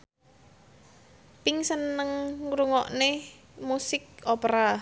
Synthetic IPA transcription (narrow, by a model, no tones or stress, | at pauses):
piŋsənːəŋɾuŋɔʔne | musɪk̚opɾa